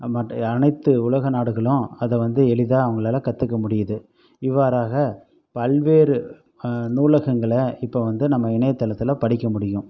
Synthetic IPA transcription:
mɐʈːɐnɐɪt̪ːɯʊlɐɣɐnaːɽɯɣɐɭʊ̃ɐðɐʋɐnd̪ɯɛɭɪðaːɐʋɐŋɡɐɭeːlakɐt̪ːɯkːɐmʊɽɪjɐðɯ | ɪʋːaːɾaːɣɐ | pɐlʋeːɾɯ | nuːlɐɣɐŋɡɐɭɐɪpːoʋɐnd̪ɯnɐmːɐɪɳɐjɐt̪ːɐlɐt̪ːɪlɐpɐɽɪkːɐmʊɽɪjʊ̃

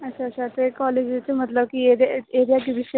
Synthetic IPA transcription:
ət͡ɕʰaəɕʰat̪ekɔled͡ʑet͡semət̪ləbkieɾeɾijaʈiʋiɕə

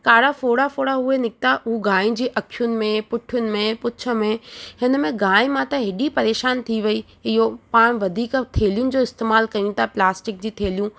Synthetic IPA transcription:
kaːɽafoːɽafoːɽaɦʊenɪk̚t̪aʔʊɦuɡaːĩd͡ʑiːʔɐkʰijʊnɪ̆mẽpʊʈʰjʊnɪ̆mẽpʊt͡ɕʰə̆mẽhɪnə̆mẽɡaːɪ̃mãt̪ɐɦɪɗipɐɾeːʃaːnt̪ʰiʋɐi | ɪɦopaːɽ̃ʋɐd̪ʱiːkt̪ʰeːlijʊnɪ̆d͡ʑoːɪst̪eːmaːlkɐijũt̪ʰaplaːsʈɪk̚d͡ʑiːt̪ʰeːlijũ

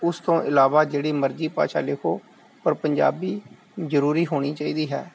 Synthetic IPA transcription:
ʊst̪õːʔɪlaːʋaːd͡ʒeːɽiːməɾziːpa̰ːʃa̰ːlɪkʰoː | pəɾpəɲd͡ʒa̰ːbiː | zəɾuːɾiːɦoːɽ̃iːt͡ʃaːiːd̪iːɦɛ̰ː

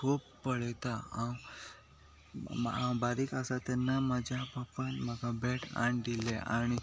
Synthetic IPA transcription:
kʰuːbpəɽɛt̪aãw | ãwbaɾikasat̪ɛnːaməd͡ʑʱapəpənməɡabɛʈʰã̰ɳd̪ileʔa̰ɽ̃i

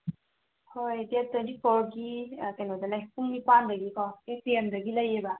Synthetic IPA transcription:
hojdet̪əntipʰoɾɡikanod̪alajpuŋmipand̪ɐɡikɔeseemd̪ɐɡilɐjeba

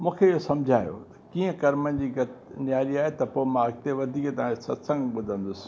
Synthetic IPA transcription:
mũːkʰeijosɐmd͡ʑʱaːjo̰t̪ɐ̥kiːə̃kɐɾmənd͡ʑiːɡɐt̪njaːɾiaːɦet̪ɐpoːɪmãːɐɡ̚t̪eʋɐd̪ʱiːket̪ɐãesɐt̪sə̃ŋɡɓʊd̪ʱə̃nd̪ʊsɪ̥̆

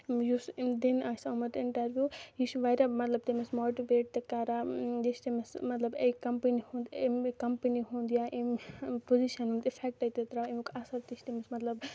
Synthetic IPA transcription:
jusd̪inasɐmɐt̪iɳʈɐɾbjujisuʋajɾamɐt̪lɐb̚t̪emesmoʈiʋeʈ̚t̪ekaɾajist̪imesmɐt̪lɐbejkɐmpinihũnd̪emkɐmpiniɦũnd̪jaʔempoziʃɐnɦũnd̪ipʰek̚ʈɐjt̪et̪ɾaimkasɐɾt̪ist̪imɐsmɐt̪lɐb

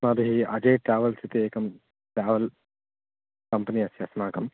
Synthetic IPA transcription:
maːd̪ɐɦiɐd͡ʒeːʈɾaːʋɐlsit̪eːkɐm | ʈɾaːʋɐl | kɐmpɐniɐsjɐsmaːkɐm

